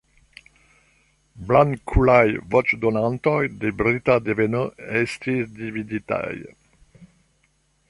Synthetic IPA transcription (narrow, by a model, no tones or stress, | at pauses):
blankʰulajvɔt͡ʃd̪onant̪ɔjd̪ebɾit̪ad̪evenəɛst̪izd̪ivid̪it̪a̰j